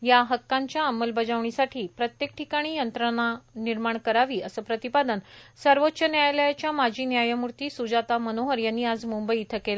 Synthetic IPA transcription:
jaɦəkːaɲt͡ɕjaəməlbəd͡zaʋɳisaʈʰiːpɾət̪jek̚ʈʰikaɽ̃iːjənt̪ɾənaniɾmaɳkəɾaʋiːəsəːpɾət̪ipad̪ənsəɾʋotːɕənjajljat͡ɕjamad͡ʑʱiːnjajəmuɾt̪iːsud͡zat̪amənoɦəɾjanːiad͡zmumbəiːt̪ʰəkela

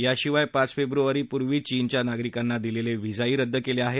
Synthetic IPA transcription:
jaɕiʋajpat͡sfebɾuʋaɾiːpuɾʋiːt͡ɕint͡ɕjanaɡɾikanːad̪ileleʋid͡zaiːɾəd̪ːəkeleaɦe

